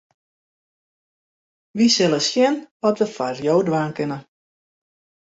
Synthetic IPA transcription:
ʋisɪlˠəsjɪnʋɔtʋəfarjoːdʋaːnkɪnə

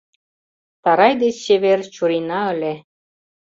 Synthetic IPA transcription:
t̪ɑɾɑjd̪et͡ɕɕeβert͡ɕuɾinɑəle

